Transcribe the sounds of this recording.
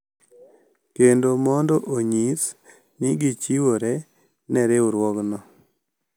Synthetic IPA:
kendomɔndoʔoɲis | nɪɡit͡ʃiwoɾɛ | nɛɾeuɾwɔɡnɔ

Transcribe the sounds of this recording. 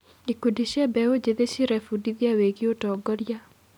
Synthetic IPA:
ikudiʃɛbɛod͡ʒeðeʃiɾɛfudiðjaweɡiotɔɡɔɾja

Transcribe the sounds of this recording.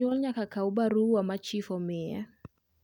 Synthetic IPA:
ɔlɲakakaubaɾuwamat͡ʃifɔmɛa̰

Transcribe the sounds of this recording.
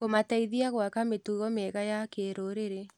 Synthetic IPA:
komataiðiaɣwakametuɣɔmɛɣajakeɾoɾeɾe

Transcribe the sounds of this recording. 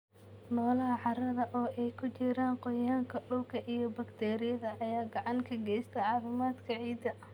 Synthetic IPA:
nɔːlɐɦɐʕɑɾɐðɐʔɔːʔɛjkʰʊt͡ʃɪɾaːnqɔjaːŋkʰɐɖʊlkʰɐʔijɔbɐɡt̪ʰɛːɾɪjɐðɐʔjaːɡɑʕɑŋkʰɐɡɛjst̪ʰɐʕɑːfɪmaːd̪kʰɐʕiːd̪ɐ

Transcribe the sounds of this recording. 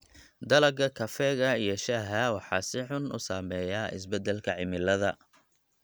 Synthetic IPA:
d̪ɐlɐɡɐkʰɐfɛːɣɐijɔʃɐɦɐwɑħɑːsɪħʊnʔʊ̰saːmɛːjaːɪ̰sbɛd̪ɛlkʰɐʕɪmɪlɐðɐ

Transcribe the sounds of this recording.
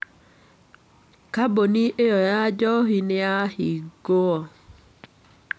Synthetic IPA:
kaboniʔejɔjad͡ʒɔɦinɪahiɡoɔ

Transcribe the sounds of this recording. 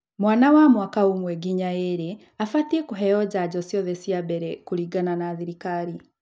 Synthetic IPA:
mwaːnawamwakaumwɛɡiɲaeɾe | afatiekuɦɛjɔd͡ʑaɟɔsjɔðɛsiabɛɾɛkuɾiɡananaːðiɾikaɾi

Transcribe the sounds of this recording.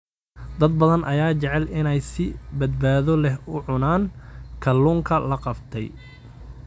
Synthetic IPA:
d̪ɐd̪̚bɐðɐnʔɐjaːt͡ʃɛʕɛlɪnɛjsɪbɐd̪̚baːðɔlɛɦʊʕʊnaːnkʰɐlːuːŋkʰɐlɐqɑbt̪ʰɛj

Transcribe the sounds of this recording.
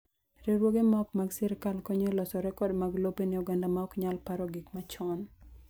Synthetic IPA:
ɾeɾwoɡemɔkmaɡsɪɾkalkoɲelɔsɔɾɛkɔdmaɡlobeniuɡandamaɔkɲalpaɾɔɡikmat͡ʃɔn

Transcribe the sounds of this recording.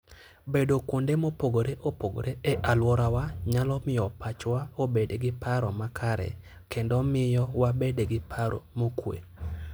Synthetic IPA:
bedokondemopoɡoɾeʔopoɡo̰ɾeɛʔalwɔɾawaɲalɔmɪɔpat͡ʃwaobedeɡɪpaɾɔmakʰaɾɛ̰ | kʰendɔmɪjɔwabedeɡɪpʰaɾʔo̰mokwḛ

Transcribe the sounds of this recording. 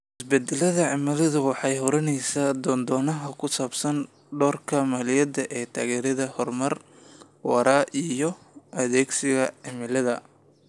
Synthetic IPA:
ɪsbɛd̪ɛlɐðɐʕɪmɪlɐðʊwɑħɑjɦɔɾɐnɛjsaːd̪ɔːnd̪ɔːnɐɦɐkʰʊsaːbsɐn | ɖɔːrkʰɐmɐlɪjɐd̪ɐʔɛːt̪ʰaːɣɛːɾɐðɐhɔrmɐr | wɑɾʔaːʔijɔ | ʔɐðɛːɡsɪɣɐʕɪmɪlɐðɐ̰

